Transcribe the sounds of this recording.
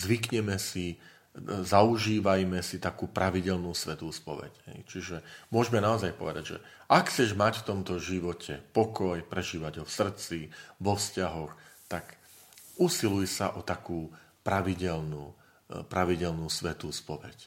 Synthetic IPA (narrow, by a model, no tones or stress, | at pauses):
zʋikɲɛmɛsi | zauʒiːʋajmɛsit̪akuːpɾʔaʋiɟɛlnuːsʋɛt̪uːspɔʋɛ̰cɦɛ̰jt͡ʃiʒɛmʊɔʒmɛnaɔzajpɔʋɛd̪aɟʒɛ̰ | ʔakt͡sɛʒmacft̪ɔmt̪ɔʒiʋɔcʰɛpɔkɔjpɾɛʒiːʋaɟɦɔfsr̩t͡siʋɔfscaɦɔxt̪ak | ʔusilujsa̰ʔɔt̪akuː | pɾaʋiɟɛlnuː | pɾaʋiɟɛlnuːsʋɛt̪uːspɔʋɛ̰c